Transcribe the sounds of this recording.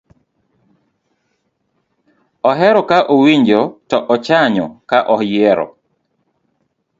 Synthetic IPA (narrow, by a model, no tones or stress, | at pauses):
ɔɦɛɾɔkaʔowiɲd͡ʒɔtɔʔɔt͡ʃaɲɔkaʔɔjɛɾɔ̰